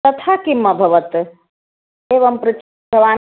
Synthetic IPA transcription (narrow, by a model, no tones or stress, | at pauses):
ɐt̪ʰaːkimːɐbʱɐʋɐt̪ | eːʋɐmpɾɐt͡ʃ | ɐʋaː